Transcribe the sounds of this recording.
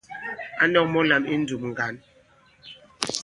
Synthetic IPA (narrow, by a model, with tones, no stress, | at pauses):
a˦nɔ˦k̚mɔ˦la˨mi˦n̩˦du˨m̚ŋ̩˨ɡa˨˦n